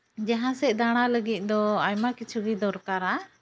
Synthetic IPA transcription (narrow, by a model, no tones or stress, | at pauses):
d͡ʒaɦãsɛd̪aɽ̃aləɡit̪̚ˀd̪ɔajmakit͡ʃʰuɡid̪ɔɾkaɾa